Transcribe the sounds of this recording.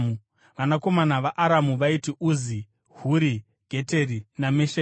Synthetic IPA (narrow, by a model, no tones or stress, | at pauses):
u | ʋanako̞manaʋaʔaɾamuʋaitiʔuːzi | huɾi | ɡʱe̞te̞ɾinameʃe